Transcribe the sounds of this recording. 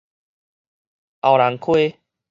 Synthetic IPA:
ʔa˨˩wɾa˨˦ŋkʰwe˦

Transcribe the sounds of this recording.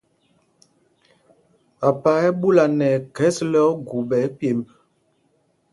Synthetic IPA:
a˨pa˨˦ɛ˦bu˦la˨nɛ˨kɛ˦slɔ˦ɡu˨bɛ˨˦pje˨m

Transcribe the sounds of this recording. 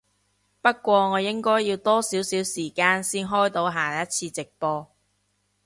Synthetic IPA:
pɐ˥t̚kʷɔː˧ŋɔː˨˧jɪ˥ŋkɔː˥jːiː˧wt̪ɔː˥siː˨˥wsiː˨˥wsiː˨˩kaː˧nsiː˥nɦɔː˥jt̪o˨˧wɦaː˨˩jɐ˥t̚t͡sʰiː˧t͡sɪ˨k̚pɔː˧

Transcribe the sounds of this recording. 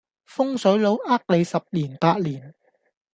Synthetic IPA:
fʊ˥ŋsɵ˨˥ɥlo˨˧wʔaː˥k̚le˨˧jsɐ˨p̚liː˨˩npaː˧t̚liː˨˩n

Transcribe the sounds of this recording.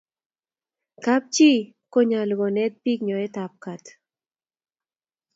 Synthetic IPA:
ka˦p̚t͡ʃi˦ | ko˦ɲa˨lɣɔ˨nɛ˦t̪̚pi˦kɲɔ˨ɛ˦ta˨p̚ka˨t̪

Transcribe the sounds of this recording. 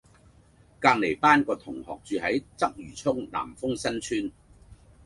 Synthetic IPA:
kaː˧ŋle˨˩jpaː˥nkɔː˧t̪ʰʊ˨˩ŋhɔ̰ː˨k̚t͡ʃyː˨hɐ˨˥jt͡sɐ˥k̚jyː˨˩t͡sʰʊ˥ŋna̰ː˨˩mfʊ˥ŋsɐ˥nt͡ʃʰyː˥n

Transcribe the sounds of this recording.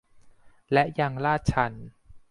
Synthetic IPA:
lɛ˦˥ʔja˧ŋlaː˥˩t̪̚t͡ɕʰa˦˧n

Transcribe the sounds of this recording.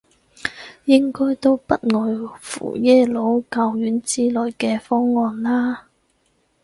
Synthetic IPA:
jɪ˥ŋkɔː˥jt̪o˥wpɐ˥t̚ŋɔː˨˧jfṵː˨˩jɛː˥lo˨˧˥wkaː˧wjyː˨˥nt͡siː˥lɔː˨˧jkɛː˧fɔː˥ŋːɔː˧nlaː˥

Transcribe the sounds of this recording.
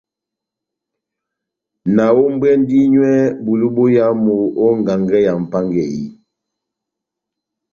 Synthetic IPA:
na˨wo˦m̩˦bɛ˦n˦di˦ɲwɛ˦bu˨lu˦bo˦ja˦mu˨o˦ŋ˨ɡa˨ŋɡɛ˦ja˨m̩˨pa˦ŋɡɛ˨ji˦

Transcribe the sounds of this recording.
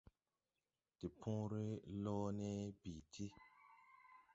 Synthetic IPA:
ti˨pʰɔ̃˦ɾe˦lɔ˦nɛ˦bi˨tʰi˦

